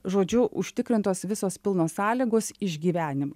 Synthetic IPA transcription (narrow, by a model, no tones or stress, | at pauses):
ʒoːd͡ʒʲʊʔʊʃʲt̪ʲɪkɾʲɪnt̪oːsʋʲɪsoːspʲɪlˠnoːsɑːlʲiːɡoːsɪʒʲɡʲiːʋʲæːnʲɪmɐ